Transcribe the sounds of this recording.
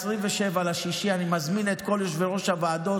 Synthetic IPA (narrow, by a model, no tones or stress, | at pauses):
sʁimveʃevalaʃiʃianimazminet̪ko̞ljoʃveʁo̞ʃhabaːd̪o̞